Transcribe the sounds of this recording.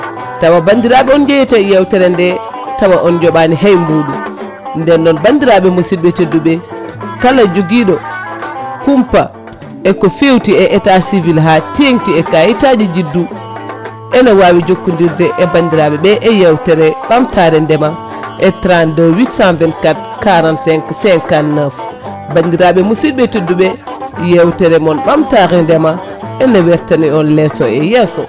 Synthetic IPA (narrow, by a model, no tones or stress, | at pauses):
tawabandiɾaɓɛɔnd͡ʒɛjɛtajɛwtɛɾɛndɛ | tawaʔɔnd͡ʒɔɓaniɦajmbuːɗum | ndɛnːɗɔnbandiɾaɓɛmosibɛteduɓɛkalad͡ʒoɡiːɗɔ | kumpa | ɛkɔfewtiɛʔɛtasivilɦatieŋtiɛkajitad͡ʒid͡ʒidːu | ʔɛnawawid͡ʒokːundiɾdɛʔɛbandiɾaɓɛɓɛʔɛjɛwtɛɾɛɓamtʰaɾɛndɛma | ʔɛtɾandowisamvɛnkat̚ | kaɾansɛsɛŋkanːaf | bandiɾaɓɛmusid̚ɓɛtidːuɓɛ | jɛwtɛɾɛmɔnɓamtaɾɛndɛma | ʔɛnawɛɾtaniɔnlɛsɔɛjɛsɔ